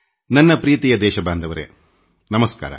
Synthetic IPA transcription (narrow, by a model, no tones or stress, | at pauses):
nɐnːɐpɾiːt̪ijɐd̪ɛːʃɐbaːnd̪ɐʋɐɾḛ | nɐmɐska̰ːɾɐ̰